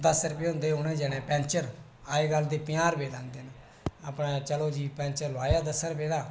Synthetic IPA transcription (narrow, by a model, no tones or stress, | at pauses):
d̪əsɾpẽːɦʊ̃nd̪eːɦʊːnɛ̃ːd͡ʒɛːɽ̃ɛ̃ːpɛ̃ːnt͡ʃəɾ | aːeːɡəld̪eːpɪjaːɾbeːlãːnd̪eːn | aːpnaːt͡ʃəloːd͡ʒiːpɛ̃ːnt͡ʃəɾlʊaːjaːd̪əsːəɾpeːɽaː